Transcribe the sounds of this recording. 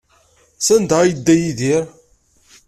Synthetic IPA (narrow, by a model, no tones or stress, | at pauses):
sænd̪ajəd̪ːæjiðiɾ